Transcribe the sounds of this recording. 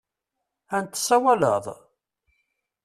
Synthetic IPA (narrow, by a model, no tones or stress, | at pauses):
ænt̪ːə̥sˤːæwælə̰ðˤ